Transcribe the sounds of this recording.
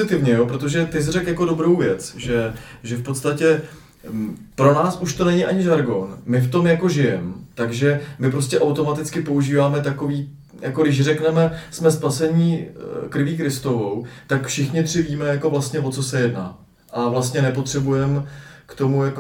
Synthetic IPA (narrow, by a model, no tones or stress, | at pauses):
ɪt̪ɪvɲɛjopɾot̪o̞ʒɛt̪ɪs̬rɛkjakodo̞bɾo̞wvjɛt͡sʒɛ | ʒɛfpo̞t̪st̪acɛ | pɾo̞naːsʔuʃt̪o̞nɛɲɪʔaɲɪʒaɾɡo̞nmɪft̪o̞mjako̞ʒɪjɛmt̪aɡʒɛmɪp̬ɾo̞stcɛʔawt̪o̞mat̪ɪt͡skɪpo̞uʒiːvaːmɛt̪ako̞viː | jʔako̞dɪʃrɛknɛmɛsmɛspasɛɲiːkɾɪviːkɾɪst̪o̞vo̞wt̪akfʃɪxɲɪt̪r̥ɪviːmɛjako̞vlast̪ɲɛvo̞t͡so̞sɛjɛdna̰ː | ʔavlast̪ɲɛnɛpo̞t̪r̥ɛbujɛmkt̪o̞mujako